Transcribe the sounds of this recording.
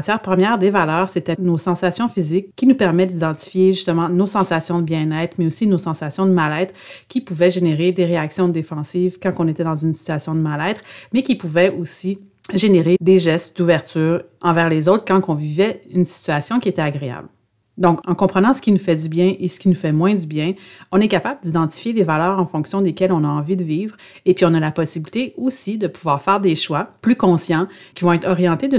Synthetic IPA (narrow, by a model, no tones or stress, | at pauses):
jɛːʁpχəmjɛːʁd̪evalœːʁset̪ɛnosɑ̃sasjɔ̃fizɪkːinupɛʁmɛd̪id̪ɑ̃t̪i̥fjeʒyst̪əmɑ̃nosɑ̃sasjɔ̃d̪əbjɛ̃nɛt̪χmɛosinosɑ̃sasjɔ̃d̪əmalɛːt̪χkʲipuvɛʒeneʁed̪eʁeaksjɔ̃d̪efɑ̃siːvkɑ̃kɔ̃net̪ɛd̪ɑ̃zynsi̥t̪yasjɔ̃d̪əmalɛːt̪χmɛkʲipuvɛosi | ʒeneʁed̪eʒɛst̪d̪uvɛʁt̪yːʁ | ɑ̃vɛːʁlezoʊt̪χkɑ̃kɔ̃vivɛynsi̥t̪yasjɔ̃kʲiet̪ɛaɡʁea̰bl | d̪ɔ̃kɑ̃kɔ̃pχənɑ̃sə̥kʲinufɛd̪ybjɛ̃ʔesə̥kʲinufɛmwɛ̃d̪ybjɛ̃ɔ̃nɛkapabləd̪id̪ɑ̃t̪i̥fjelevalœːʁɑ̃fɔ̃ksjɔ̃d̪ekʲɛlɔ̃naɑ̃vid̪əviːvʁ | epɥiɔ̃nalapɔsibilit̪eosid̪əpuvwaːʁfɛːʁd̪eʃwaplykɔ̃sjɑ̃kʲivɔ̃ɛt̪χɔʁjɑ̃t̪ed̪ə